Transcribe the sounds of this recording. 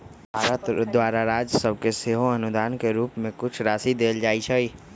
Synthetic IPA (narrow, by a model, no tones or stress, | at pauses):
bʱaːɾət̪d̪waːɾaɾaːd͡ʒsəb̚keseːɦõɐnʊd̪aːnkeɾuːpmẽkʊt͡ʃʰɾaːsid̪eːld͡ʒaːit͡ʃʰəi